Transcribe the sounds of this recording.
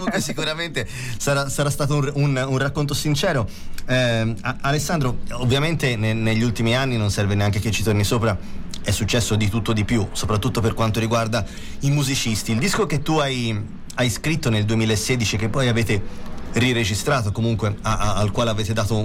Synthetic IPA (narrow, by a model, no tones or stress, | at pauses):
ukesːikuɾament̪e | saɾasaɾast̪aːt̪ouununrakːont̪osint͡ʃɛːɾo | ɛaalesːand̪ɾoovːjament̪eneneʎːult̪imianːinonsɛrveneaŋk̟eket͡ʃːit̪ornisoːpɾaɛsːut͡ʃːɛsːod̪it̪ut̪ːod̪ipjusopɾat̪ːut̪ːoperkwant̪oɾiɡward̪a | imuzit͡ʃist̪iːld̪iskok̟et̪ːuaj | ajskɾit̪ːoneld̪uemilaesːeːd̪it͡ʃik̟epːɔjaveːt̪eriɾed͡ʒist̪ɾaːt̪okomuŋkweaalkwaːleaveːt̪ed̪aːt̪o